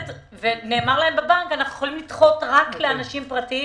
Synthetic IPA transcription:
t̪ | vene̞ːmaʁlahe̞mbebaŋkanaχnuχolimlit̪χo̞tʁakleanaʃimpʁati

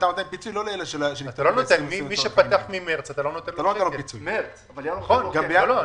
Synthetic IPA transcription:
t̪anot̪enpit͡sujloleeleʃelʃeat̪alonot̪emimiʃepat̪aaχmimeʁt͡sat̪alo̞not̪ent̪alooelopit͡sujmeʁt͡svajχonɡabejaolo

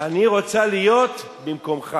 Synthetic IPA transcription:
aniʁo̞t͡salijo̞t̪ | bimko̞mχa

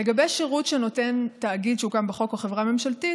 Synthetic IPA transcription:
leɡabeʃeʁutʃeno̞te̞ntaːɡid̪ʃeuɡambeχo̞kaχe̞vʁame̞mʃalti

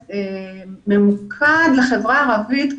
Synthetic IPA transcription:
ememukʰad̪leχe̞vʁaːʁavit̪

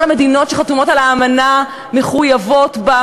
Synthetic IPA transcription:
lame̞dino̞tʃeχatumo̞talaːmana | me̞χujavo̞tba

